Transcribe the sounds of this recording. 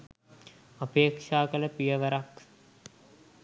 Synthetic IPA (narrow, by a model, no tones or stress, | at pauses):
apeːkʂaːkələpijəʋəɾak